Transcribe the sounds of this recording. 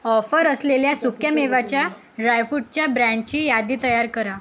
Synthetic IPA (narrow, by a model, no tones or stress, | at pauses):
ɔfəɾəsleljasukjameʋat͡ɕja | ɖajfuʈ̚t͡ɕjabɾãɳɖt͡ɕiːjad̪iːt̪əjaɾkəɾa